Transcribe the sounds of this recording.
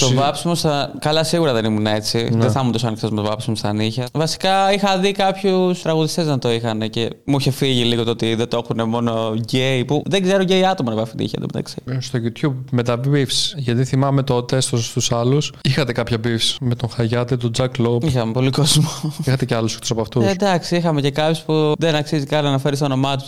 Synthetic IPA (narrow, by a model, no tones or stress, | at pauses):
t̪ovɐpsimost̪ɐkɐlɐsiɣuɾɐðe̞nimunee̞t͡sineθɐmunt̪osɐnikθozmt̪ovɐpsimost̪ɐniçɐvɐsi̥kɐixɐðikɐpçust̪ɾɐɣuðist̪e̞znɐt̪o̞ixɐne̞ce̞muiçe̞fiʝiliɣot̪oot̪iðet̪oexune̞mo̞no̞ʝeipuðeɡze̞ɾoɟeiɐt̪omɐnɐvɐfit̪ḭçɐ̰ðemṵt̪ɐ̰kz̥eɾst̪oʝit̪çubmet̪ɐbifsʝɐt̪iθimɐme̞t̪o̞t̪est̪ost̪usɐlusixɐt̪e̞kɐpçɐbifsmet̪o̞ŋxɐʝɐt̪it̪ud͡zɐkloixɐmepo̞likozmoixɐt̪eceɐlosekt̪osɐpɐft̪ued̪ɐksiixɐme̞ce̞kɐpçospuðenɐksizikɐlnɐfeɾist̪ono̞mɐt̪̬u̥s